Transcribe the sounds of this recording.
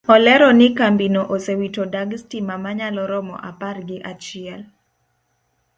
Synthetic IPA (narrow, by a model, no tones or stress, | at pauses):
ɔlɛɾɔnɪkambinoʔosewitodaɡstimamaɲalɔɾɔmɔ̰ʔaparɡɪʔat͡ʃɪɛl